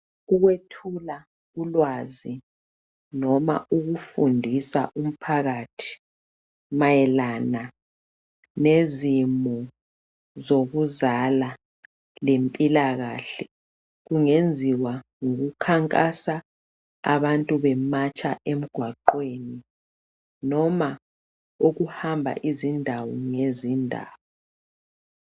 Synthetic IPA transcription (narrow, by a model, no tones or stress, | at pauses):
uɣwetʰula | ulwazi | nɔma̰uɣufundʱisa̰ʔum̩pʰaɣatʰi̥ | majɛlana | nezimu | zoɣuzala | lempʼilaɣa̰ːɬɛ | ɣuŋend͡zʱiwa | ŋoɣukʰaŋkʼasa | a̰βantʼuβɛmat͡ʃʼaʔem̩ɡ̥ʱwaǃweni | nɔma | uɣuhambʱa̰ʔizindʱawɔŋezindʱa̰ːwɔ